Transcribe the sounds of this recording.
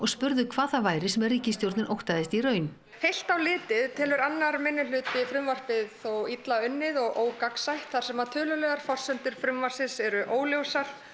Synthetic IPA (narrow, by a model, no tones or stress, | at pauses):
ɔɣspʏɾðʏkʰvaːθavaːjɾɪsɛmɛriːcɪst̪jowɾt̪nɪɾʔowht̪aðɪst̪irœːɥn | hejl̥t̪awlɪːt̪ɪðt̪ʰɪlvʏɾanːaɾmɪnːɪlʏːt̪vɪfɾʏmvar̥pɪðθowit̪laʏnːɪðɔɣoːwkaksajht̪θaɾ̥sɛmaɾt̪ʰœːlʏlɛɣaɾ̥fɔr̥sʏnt̪ʏɾ̥fɾʏmvar̥sɪsɛɾʏʔoːwljowsaɾ̥